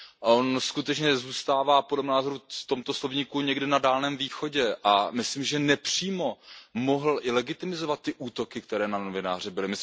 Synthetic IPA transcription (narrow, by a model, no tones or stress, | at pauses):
ʔo̞nskut̪ɛt͡ʃɲɛzuːst̪aːvaːpodlɛmnaːzoɾut̪o̞mt̪o̞slovɲiːkuɲɛɡdɪnadaːlnɛːmviːxo̞ɟɛʔamɪsliːmʒɛnɛpr̝̥iːmo̞mo̞ɦl̩ʔɪlɛɡɪt̪ɪmɪzovat̪ːɪʔuːt̪o̞kɪkt̪ɛɾɛːnano̞vɪnaːr̝ɪbɪlɪmɪ